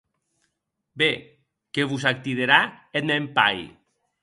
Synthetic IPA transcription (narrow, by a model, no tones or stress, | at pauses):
be | keβus̬ak̚t̪iðeɾaet̪̚mempa̰j